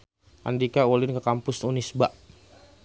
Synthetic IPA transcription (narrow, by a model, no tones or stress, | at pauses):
ʔa̰ndikaolɪnkəkampʊsunisbaʔ